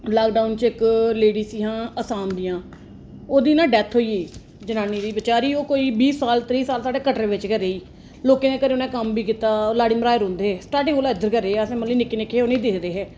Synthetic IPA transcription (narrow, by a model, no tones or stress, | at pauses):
laːk̚ɖaːʊnt͡ʃɪkleːɖiːsiːɦãːəsaːnd̪ɪjãː | oːd̪iːnãːɖɛːt̪ʰɦoːiːeː | d͡ʒənãːniːd̪iːbət͡ʃaːɾiːoːkoːiːbiːsːaːlt̪ɾiːsaːlsaːɖeːkəʈɾeːʋɪt͡ʃkəɾeːiː | loːkẽːneːkəɾeːʊnɛ̃ːkəmbiːkiːt̪aːlaːɽiːməɾaːeɾõːnd̪eːsʈaːɾʈɪ̃ŋɡoːlaːɪd̪əɾkəɾeːəsẽːməliːnɪkːeːnɪkʰːeːoːneĩːd̪ɪkd̪eːɦɛː